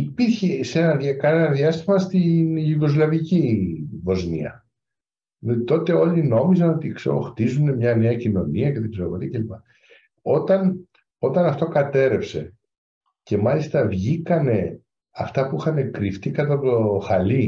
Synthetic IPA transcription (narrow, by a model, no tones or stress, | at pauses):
ipiɾçe̞se̞nɐðjɐkɐnenɐðiɐst̪imɐst̪inʝuɡo̞zlɐvicivo̞znḭɐ̰ | t̪o̞t̪e̞o̞lino̞mizɐno̞t̪iksḛɣo̰xt̪izune̞mɲɐne̞ɐcino̞niɐcet̪ikseovoɾiɐce̞lipɐ | o̞t̪ɐn | o̞t̪ɐnɐft̪o̞kɐt̪e̞ɾe̞pse̞̰ | ce̞mɐlist̪ɐvʝikɐne̞ | ɐft̪ɐpuixɐne̞kɾift̪ikɐt̪ɐt̪oxɐli